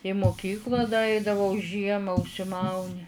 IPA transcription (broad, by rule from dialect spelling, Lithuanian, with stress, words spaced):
iː mʊˈkʲiːklˠɐ dɐ ˈɐɪdɐʋɐʊ ˈʒʲiɛmɐ ʊʃʲsʲɪˈmɐʊnʲɪ